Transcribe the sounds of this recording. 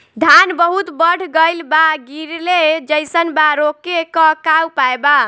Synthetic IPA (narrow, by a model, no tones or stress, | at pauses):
d̪ʱanbəɦut̪bəɽ̤ɡəjlbaɡiɾled͡ʒəjsənbaɾokekəkawpaeba